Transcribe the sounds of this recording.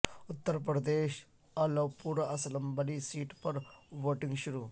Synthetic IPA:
ʊt̪ːəɾpɾɐd̪eːʃ | ɐlɐwpuɾɐɐslɐmbɐlisiːʈpɐɾʋoːʈĩŋɡʃʊɾu

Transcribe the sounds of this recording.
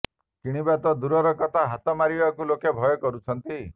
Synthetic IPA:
kiɽ̃ibat̪ɔd̪uɾɔɾɔkɔt̪ʰaɦat̪ɔmaɾibakulokebʱɔjɔkɔɾut͡ʃʰɔnt̪i

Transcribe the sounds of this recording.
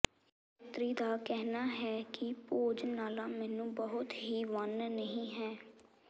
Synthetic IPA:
t̪ɾiːd̪aːkɛɦnaːɦɛːkɪpoːd͡ʒnaːlaːmɛːnũːbəɦʊt̪ɦiːʋənnəɦĩːɦɛː

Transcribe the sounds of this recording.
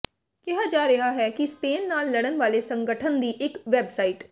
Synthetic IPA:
kɛɦad͡ʒaːɾɐɦaɦɛːkispeːnːaːlːɐɽ̃ənʋaːlesə̃ŋɡəʈʰənd̪iːʔɪkʋɛːbsaːiːʈ

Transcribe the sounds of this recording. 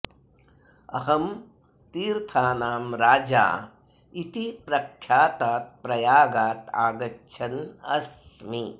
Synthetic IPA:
ɐ̰ɦɐm | t̪iːɾt̪ʰaːnaːmɾaːd͡ʒa̰ː | it̪ipɾɐkʰːjaːt̪aːt̪̚pɾɐjaːɡaːt̪a̰ːɡɐtːʃʰɐnɐ̰smi

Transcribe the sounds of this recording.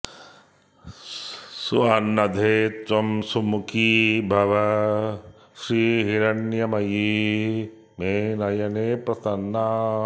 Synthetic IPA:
suaːnːɐd̪ʱeːt͡ʃɐmsumukʰiːbʱɐʋɐ | ʃɾiːɦiɾɐnjɐmɐji | meːnɐjɐneːpɾɐsɐnːa

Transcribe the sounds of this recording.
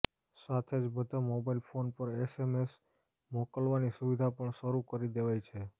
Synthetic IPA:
sat̪ʰed͡ʒbəd̪ʱomobailfʰonpəɾesemes | mokəlʋanisuʋid̪ʱapəɳʃəɾukəɾid̪eʋajt͡ʃʰe

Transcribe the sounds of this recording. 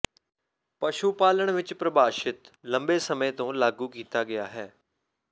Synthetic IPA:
pəʃupaːləɳ̃ʋɪt͡ʃpɾəbaːʃɪt̪ləmbeːsəmẽːt̪õːlaːɡuːkiːt̪aːɡɪjaːɦɛː

